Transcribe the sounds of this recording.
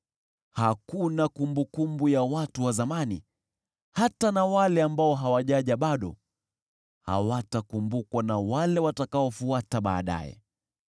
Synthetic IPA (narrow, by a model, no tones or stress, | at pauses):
hakunakumbukumbujawatuwazamani | hatanawalɛambaɔɦawaʄaʄaɓaɗɔ | ha̰watakumbukwanawalɛwatakaɔfuataɓaːɗa̰jɛ̰